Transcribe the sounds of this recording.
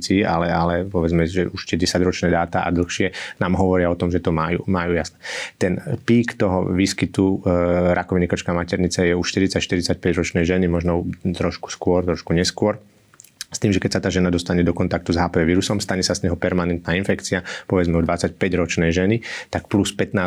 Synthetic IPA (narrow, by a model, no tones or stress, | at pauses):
t͡siːʔalɛalɛpɔʋɛd͡zmɛʒɛuʃt̪ɛɟɛsaɟɾɔt͡ʃnɛːd̪aːt̪aʔa̰d̪l̩xʃɪɛnaːmɦɔʋɔɾɪaɔt̪ɔmʒɛt̪ɔmajṵːmajuːjasnɛt̪ɛnpiːkt̪ɔɦɔʋiːskit̪uɾʔakɔʋinikɔt͡ʃkamacɛɾɲit͡sɛjɛuʃt̪iɾit͡sacʃt̪iɾit͡sac̚pɛɟɾɔt͡ʃnɛjʒɛnimɔʒnɔt̪ɾɔʃku̥skʊɔɾt̪ɾɔʃkuɲɛskʊɔɾ | st̪iːmʒɛkɛc̚ʲsat̪aːʒɛnad̪ɔst̪aɲɛd̪ɔkɔnt̪ak̚t̪uzɦaːpɛɛʋiːɾusɔmst̪aɲɛsazɲɛɦɔpɛɾmanɛnt̪naːinfɛkt͡siapɔʋɛd͡zmɛɔd̪ʋat͡sac̚pɛɟɾɔt͡ʃnɛjʒɛnit̪akpluspɛt̪naː